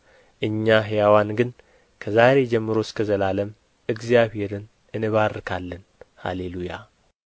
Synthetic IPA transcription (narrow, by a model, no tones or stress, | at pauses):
ʔɨɲːaɦjawanɡɨn | kʰəzaɾe̞d͡ʒɛmːɨɾo̞skʰəzəlaləm | ɨɡzijaβhe̞ɾɨn | ɨnɨβaɾːɨkʰalːən | ha̰leluja̰